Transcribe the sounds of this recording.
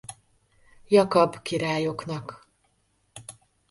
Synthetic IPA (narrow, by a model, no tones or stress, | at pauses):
jɒkɒbkiɾaːjo̞knɒk